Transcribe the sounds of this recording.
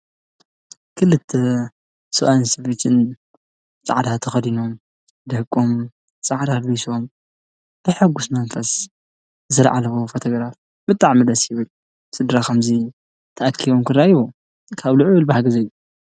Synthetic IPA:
kʰɨlɨt̪ʰːɐ | sɨʔansɐfit͡ʃɨn | t͡sʼa̰ʕd̪at̪ʰɐxɐd̪inom | d̪ɨhɨkʼːom | t͡sʼaʕd̪albisom | b̥ɨħɨɡusmɐnfɐs | ɨzɐlʕa̰lɐβofot̪ʰoɡɾaf | bɨt̪ʼaʕmɨd̪ɐsjɪβɨl | sɨd̪ɾakʰɐmzi | t̪ʰɐʔakʰːiβomkʰɨrajiwo | kʰaβlɨʕβɨlbahaɡɐzɐju

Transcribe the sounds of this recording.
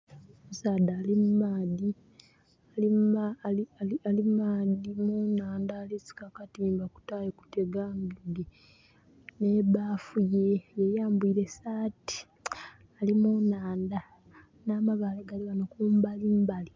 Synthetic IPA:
musaːdaːlimmaːdi | aliaiaialimaːdimunaːndaːlisi̥kakatiːmbaku̥taːjoku̥teɡaːŋɡiɡe | neβaːfujejejaːmbuiːɾe̞saːti̥ | alimunaːnda | naːmaβaːleɡaliβanokuːmbalimbali

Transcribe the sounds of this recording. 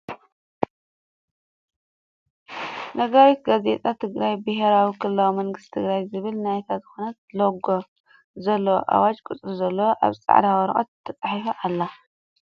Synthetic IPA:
nɐɡawit̪ɡazet̪ʼat̪ʰɨɡɾajbɨɦeɾawikʰɨlːɐwmɐŋɡɨst̪t̪ʰɨɡɾajzɨβɨlnajt̪ʰazɨxonɐt̪̚loɡo | zɐlːoʔa̰wat͡ʃʼkʼɨt͡sʼɨɾzɐlːowʔa̰βɨt͡sʼa̰ʕd̪awɐɾʔʼo̰t̪̚t̪ʰːɐt͡sʼaħifɐʔalːa

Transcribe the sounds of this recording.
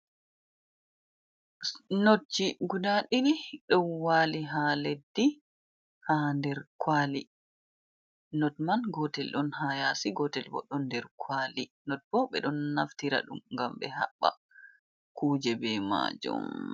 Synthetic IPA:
not͡ʃːiɡudaɗiniɗɔnwaːliɦaledːi | handɛɾkʰwali | nɔtmanɡɔtɛlɗɔnhajasiɡɔtɛlbɔ̰ɗɔndɛɾkʰwaːli | nɔt̚bɔɓɛ̰ɗɔnːaftiɾa̰ɗṵmŋɡambɛ̰ɦa̰ɓːa̰ | kʰuːd͡ʒɛbɛma̰ːd͡ʒṵm

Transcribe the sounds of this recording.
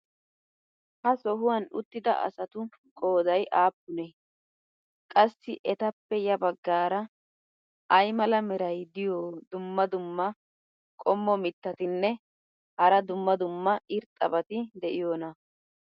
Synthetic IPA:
hɐsɔɦʊwɐnʊt̪ːɪd̪ɐ̰ʔɐ̰sɐt̪ʊ | kʼoːd̪ɐjʔaːpːʊnɛ | kʼɐsːɪʔɛt̪ɐpːɛjɐbɐɡːaːɾɐ | ʔɐjmɐlɐmɛɾɐjd̪ɪjoːd̪ʊmːɐd̪ʊmːɐ | kʼɔmːɔmɪt̪ːɐt̪ɪnːɛ | hɐɾɐd̪ʊmːɐd̪ʊmːɐɪɾt̪ʼːɐ̰bɐt̪ɪd̪ɛʔɪjoːnɐ

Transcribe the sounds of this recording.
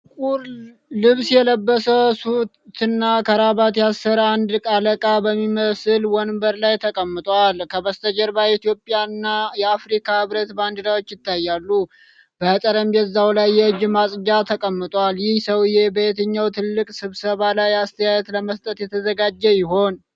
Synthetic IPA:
kʼuɾ | lɨβsjɛləbːəsəwsu | t̪ɨnːakʰəɾaβat̪jasːəɾand̪ɨkʼaləkʼabəmːiməsɨlwɔnbəɾlajt̪ʰəkʼəmːɨt̪ʼwalkʰəβəst̪ʰəd͡ʒɛɾbait̪ijo̞pʼjaɨnːajɛafɾikʰahɨβɾət̪band̪ɨlawot͡ʃːjɪt̪ʰːajːalːu | bəhət̪ʼəɾəmjɛzːawlajːɛɨd͡ʒmasʼd͡ʒat̪ʰəkʼəmːɨt̪ʼwaljɪhsəwɨjebəɛt̪ʰəɲːawt̪ʰɨlːɨkʼsɨβsəβalajast̪ʰəjajɛt̪ləməst̪ʼət̪jɛt̪ʰəzəɡad͡ʒːɛjɪɦo̞n

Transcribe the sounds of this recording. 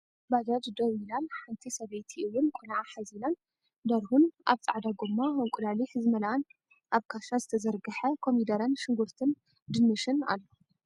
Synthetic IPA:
bad̪ɐd̪d̪ɐwilanħant̪ʰisɐβejt̪ʰiɨjːunkʷʼʰonaʕaħazinan | d̪ɐɾhunʔa̰βt͡sʼaʕd̪aɡomːaɐŋkʷʼud̪alihɨzɨmɐlaan | ʔaβkʰaʃazɨt̪ʰɐzɐɾɡɨħɐkʰomid̪ɐɾɐnʃɪŋɡuɾt̪ʰɨn | d̪ɨnːɨʃɨna̰lːo

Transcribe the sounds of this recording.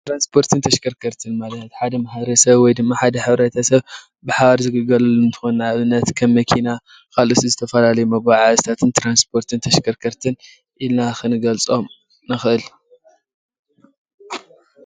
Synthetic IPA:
t̪ɾanspʰo̞ɾt̪ʰɨnt̪ʰɐʃkʰɐɾkʰɐɾt̪ʰɨnmalɐt̪ħad̪ɐmaħaβɾɐsɐβwɔjd̪ɨmːaħad̪ɐħɨβɾɐt̪ʰɐsɐβ | bɨħaβaɾzɨɡɨɡɐlulɨnt̪ʰɨ̥xonnaβɨnːɐt̪kʰɐmːɐkʰina | kʰalusizɨt̪ʰɐfɐlalɐjumɐɡwaʕazɨt̪ʰat̪ʰɨnt̪ʰɾanspʰo̞ɾt̪ʰɨnt̪ʰɐʃkʰɐɾkʰɐɾt̪ʰɨn | ʔilnaxɨnɨɡɐlt͡sʼo̞m | nɨxɨʔɨl

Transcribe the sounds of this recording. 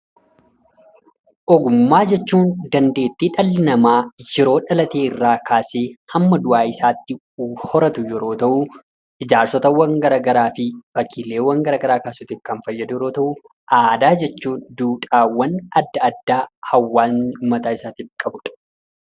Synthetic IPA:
ʔɔɡʊmːaːd͡ʒɛt͡ʃːuːnd̪ɐnd̪e̞ːt̪ːiːᶑɐlːɪnɐmaːjɛɾo̞ːᶑɐlɐt̪e̞ːɪrːaːkʰaːseːhɐmːɐd̪ʊʔaːɪsaːt̪ːɪ | hɔɾɐt̪ʊjɛɾo̞ːt̪ɐʔu | ʔɪd͡ʒaːɾsɔt̪ɐwɐŋɡɐɾɐɡɐɾaːfɪfɐkʰiːle̞ːwɐŋɡɐɾɐɡɐɾaːkaːsʊt̪ɪfkɐnfɐjːɐd̪ʊjɛɾoːt̪ɐʔʊ | ʔaːd̪aːd͡ʒɛt͡ʃːuːnd̪uːᶑʼaːwːɐnɐd̪ːɐɐd̪ːaːhɐwːaːumːɐt̪aːɪsaːt̪iːfkʼɐbʊᶑ̥

